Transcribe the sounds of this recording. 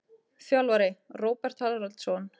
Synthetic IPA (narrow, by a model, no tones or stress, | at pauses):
θjalvaɾɪroːwpɛr̥t̪halɾalt̪sɔn